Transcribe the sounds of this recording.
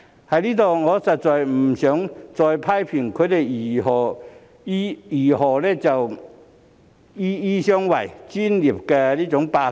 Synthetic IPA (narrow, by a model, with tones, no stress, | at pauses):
ha˨jli˦˥t̪ɔ˨˩ŋɔ˨˦t͡sa˨˩t͡sɔ˨˩jm̩˨˩ɕjɔ˨˦ŋt͡sɔ˧jpʰa˥˦jpʰi˨˩nkʰu˧˦˥te˧i˨˩ɦɔ˨˩˦ | i˨˩ɦɔ˨le˦˥t͡ɕa˨˩w | i˦i˦ɕjɔ˦ŋwa˨˩jt͡ɕi˧˥nli˨˩p̚ka˧liː˦˥t͡sʊ˨˦ŋpa˧